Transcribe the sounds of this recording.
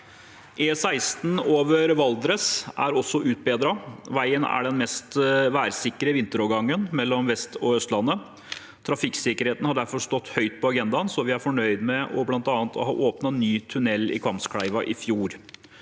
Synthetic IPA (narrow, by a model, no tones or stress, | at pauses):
ʔesæɪst̪n̩oːʋəɾʋɑld̪ɾəsæ̰ɾɔsːɔʔʉːt̪̚beːd̪ɾɑʋæɪənæ̰ɖɛnmɛst̪ʋæːɾsɪkːəɾəʋɪnt̪əɾɔːɾɡɑŋːənmɛlːɔmʋɛst̪ɔœst̪lɑnːə | t̪ʰɾɑfɪksɪkəɾheːt̪n̩hɑɖæɾfɔʂt̪ɔt̪ːhœʏt̪̚pʰɔɑɡɛnd̪ɑnsɔʋɪæɾfɔɳœʏd̪mɛʔɔblɑnt̪ɑːnt̪ʰɔ̰hɑ̰ːʔoːpnɑnyːt̪ʰʉnɛlːɪ̰kʰɑmpskʰɽæɪʋɑʔɪfjuːɾ